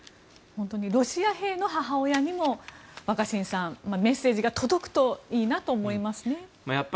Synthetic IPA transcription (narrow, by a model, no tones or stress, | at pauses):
hõnt̪o̞ɲ̟iɾo̞ɕiaɦe̞ːno̞ɦaɦaojaɲ̟imo̞βakaɕĩñsãmame̞sːe̞ːʑiɡat̪o̞d̪o̞kɯ̟̥t̪o̞iːnat̪o̞ːmo̞imasɨne̞majapː